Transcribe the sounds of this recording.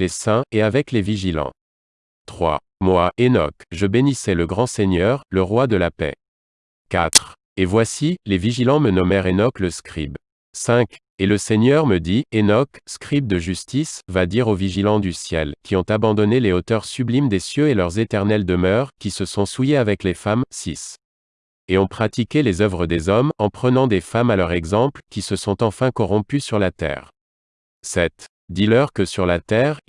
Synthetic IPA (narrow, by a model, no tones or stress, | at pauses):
lesɛ̃eavɛkleviʒilɑ̰̃ | t̪χwa̰ | mwaenɔ̰kʒəbenisɛləɡʁɑ̃seɲœʁləʁwad̪əlapɛ̰ | kat̪χ | evwasileviʒilɑ̃mənɔmɛʁenɔkləskχib | sɛ̃k | eləseɲœʁməd̪ienɔkskχib̚d̪əʒyst̪isvad̪iʁoviʒilɑ̃d̪ysjɛlkʲiɔ̃t̪abɑ̃d̪ɔneleot̪œʁsyblimd̪esjøelœʁzet̪ɛʁnɛld̪əmœʁkʲisəsɔ̃sujeavɛklefamsis | eɔ̃pχat̪ikʲelezœvʁəd̪ezɔmɑ̃pχənɑ̃d̪efamalœʁɛɡzɑ̃plkʲisəsɔ̃t̪ɑ̃fɛ̃kɔʁɔ̃pysyʁlat̪ɛ̰ːʁ | sɛt̪ | d̪ilœʁkəsyʁlat̪ɛːʁ